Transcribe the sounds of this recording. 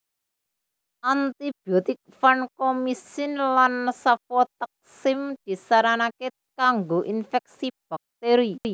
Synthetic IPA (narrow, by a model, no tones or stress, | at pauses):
ʔant̪ib̥iɔt̪ɪk̚fankɔmisɪnlansafɔt̪ak̚sɪmd̪̥i̤saɾanake | kaŋɡoʔinfɛk̚sib̥a̤k̚t̪eɾii